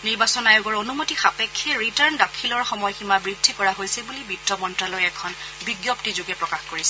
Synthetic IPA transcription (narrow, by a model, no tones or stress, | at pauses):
niɹbasɔnajoɡɔɹonumotixapekʰːɛɹitaɹndakʰilɔɹxɔmɔjximabɹidʱːikɔɹaɦojsɛbulibitːɔmɔntɹalojɛkʰɔn | biɡjɔptizʊɡɛpɹɔkaxkoɹisɛ